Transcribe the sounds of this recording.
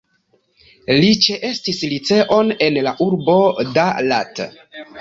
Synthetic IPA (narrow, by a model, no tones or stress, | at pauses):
lit͡ʃe̞ʔe̞stislit͡se̞ʔo̞ne̞nlaʔuɾbo̞dala̰t